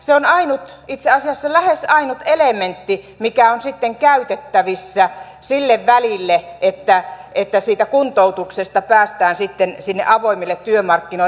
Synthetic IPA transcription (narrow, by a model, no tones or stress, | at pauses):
seonɑinut̪it̪seɑsiɑsːɑlæhesɑinut̪element̪ːi | mikæonsit̪ːeŋkæyt̪et̪ːæʋisːæsilːeʋʋælilːeʔet̪ːæet̪ːæsiːt̪ækunt̪out̪uksest̪ɑpæːst̪æːnsit̪ːensinːḛʔɑʋoimːilːet̪tyømɑrkːinoi